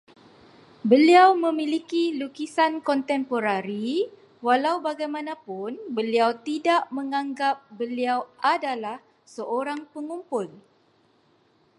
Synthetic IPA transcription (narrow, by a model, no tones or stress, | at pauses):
bəliawmə̃milikilukisankɔnt̪ɛmpoɾaɾi | walawbaɡajmãnãpʊnbəliawt̪idaʔmə̃ŋãŋɡap̚bəliawʔadalah | səʔoɾaŋpəŋumpʊl